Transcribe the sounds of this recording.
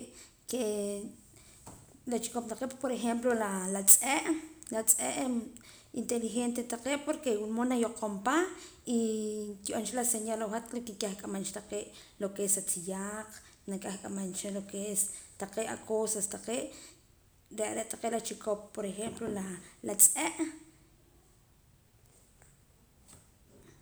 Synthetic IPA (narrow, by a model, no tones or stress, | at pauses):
ke | lat͡ʃi̥kop̚t̪aqeʔpoɾexemplolalat͡sʼeʔlat͡sʼeʔ | int̪elixent̪et̪aqeːʔpoɾkewulmonajoqʰompa | ik̪iʔont͡ʃalaseɲalawxat̪lokikʲaxkʼamant͡ʃḁt̪aqeːʔlokeesat͡sijaq͡χnakʼaxkʼamant͡ʃalokeest̪aqeːʔakʰosast̪aqeːʔ | ɾeʔɾeʔt̪aqeːʔlat͡ʃikʰop̚ːoɾexemplolalat͡sʼeʔ